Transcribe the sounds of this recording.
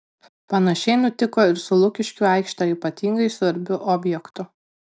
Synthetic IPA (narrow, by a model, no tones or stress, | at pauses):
pɐnɐʃʲɛɪnʊt̪ʲɪkoːɪɾsʊlˠʊkʲɪʃʲkʲuɑˑɪkʃt̪ɑːiːˑpɐt̪ʲiːŋɡɐɪsʋɐɾʲbʲʊʔɔːbʲjɛkt̪ʊ